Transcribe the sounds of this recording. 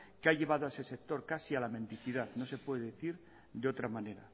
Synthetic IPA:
keaʝe̞β̞að̞oaese̞se̞k̚t̪o̞ɾkasialamẽ̞nt̪iθiðaðno̞se̞pwe̞ðeðeθiɾ | d̪eo̞t̪ɾamane̞ɾa̰

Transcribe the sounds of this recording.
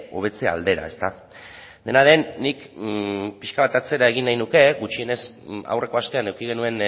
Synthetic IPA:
o̞βe̞t͡se̞a̰ld̪e̞ɾa̰e̞st̪a | d̪e̞naðe̞nːik | piʃkaβat̪at͡se̞ɾae̞ɣ̞inːajnuke̞ɣut͡ʃie̞ne̞s | a̰wre̞ko̞ast̪e̞ane̞wkiɣ̞e̞nue̞n

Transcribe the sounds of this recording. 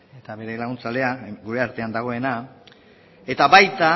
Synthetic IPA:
et̪aβe̞ɾe̞laɣ̞unt͡sald̪e̞aɡuɾe̞aɾt̪e̞and̪aɣ̞o̞e̞na | e̞t̪aβajt̪a

